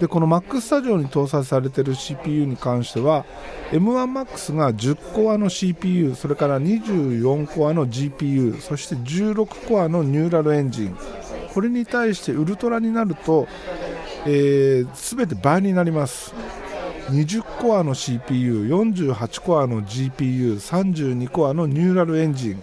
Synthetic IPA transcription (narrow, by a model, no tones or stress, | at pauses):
d̪̥e̞ko̞no̞makːɯ̟sɨ̥t̪aʑio̞ɲ̟it̪o̞ːsaisaɾe̞t̪e̞ɾɯ̟ɕiːpʲiːjɯ̟ːɲ̟ikãɰ̃ɕi̥t̪e̞β̞a | e̞mɯ̟ãmːakːɯ̥sɨɡad͡ʑɨkːo̞βano̞ɕiːpʲiːjɯ̟ːso̞ɾe̞kaɾaɲ̟iʑɨːjõ̞ŋko̞ano̞ʑiːpʲiːjɯ̟ːso̞ɕi̥t̪e̞d͡ʑɨːɾo̞kɯ̟̥ko̞ano̞ɲ̟ɯːɾaɾɯ̟ẽ̞ɲ̟d͡ʑḭ̃ŋ | ko̞ɾe̞ɲ̟it̪aiɕi̥t̪e̞ɯ̟ɾɯ̟t̪o̞ɾaɲ̟inaɾɯ̟t̪o̞ | eːsɨbe̞t̪̬e̞baiɲ̟inaɾʲimasɨ̥ | ɲ̟iʑɨkːo̞ano̞ɕiːpʲiːjɯ̟ːjõ̞ɲd͡ʑɨːɦat͡ɕi̥ko̞ano̞d͡ʑiːpʲiːjɯ̟ːsãɲ̟d͡ʑɨːɲ̟iko̞ano̞ɲ̟ʲɨːɾaɾɯ̟ẽ̞ɲd͡ʑḭ̃ŋ